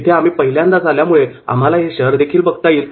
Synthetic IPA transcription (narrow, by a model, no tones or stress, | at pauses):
t̪ʰeam̤iːpəɦiljãnd̪ad͡zʱaljamuɭea̰m̤alaɦeɕəɦəɾd̪ekʰiːlbəɡt̪ajiːl